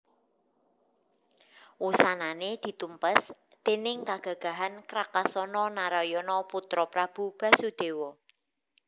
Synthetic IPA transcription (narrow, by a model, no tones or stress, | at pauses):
wusananed̪̥i̤t̪umpəs | d̪̥enɪŋkaɡ̥ä̤ɡ̥a̤ɦankɾakasɔnɔnaɾajɔnɔput̪ɾɔpɾab̥ṳb̥a̤sud̪̥e̤wɔ